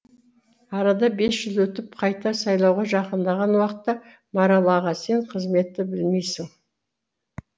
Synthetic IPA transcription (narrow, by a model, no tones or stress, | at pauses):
ɑɾɑd̪ɑbe̞sʒ̥ʏzwɵt̪ɪp̚qʰɑjt̪ɑsɑjlˠɑwʁɑʒɑqənd̪ɑʁɑnwɑqət̪ːɑ | mɑɾɑlˠɑʁɑse̞ɴqʰəzme̞t̪ːɪbɪlmejsɪŋ